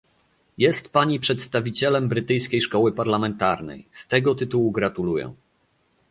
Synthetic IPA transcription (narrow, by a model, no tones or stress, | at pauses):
jɛst̪paɲipʂɛt̪st̪avʲit͡ɕɛlɛmbɾɘt̪ɘjskʲejʂkɔwɘpaɾlamɛnt̪aɾnɛ̰jst̪ɛɡɔt̪ɘt̪uwuɡɾat̪ulujɛ̰